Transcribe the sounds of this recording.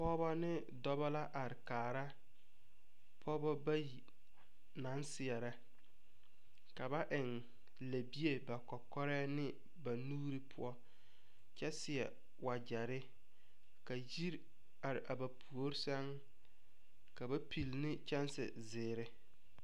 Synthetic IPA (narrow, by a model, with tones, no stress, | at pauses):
pɔː˦ba˦nɪ˦ | dɔ˦ba˦la˦ʔa˨ɾɪ˨kaː˨ɾa˦ | pʰɔː˦bɔ˦ba˦ji˨ | na˨˦nsɪ˨ɛ˨ɾa˦ | ka˨ba˦ʔɪ˨ŋ | la˨bi˦e˦ba˨kɔ˨kɔ˦ɾɛː˦nɪ˦ | ba˨nuː˦ɾi˦pʰʊ̰˦ɔ˦ | t͡ʃɛ˦sɪ˨ɛ˨ | wa˨d͡ʒa˨ɾɪ˦ | ka˨ji˦ɾ | a˨ɾɪ˨ʔa˨ba˨pʰu˨o˦ɾsɛ˦ŋ | ka˨ba˦pʰi˨lnɪ˦t͡ʃɛ˦nsɪ̰˨zɪː˨ɾɪ˦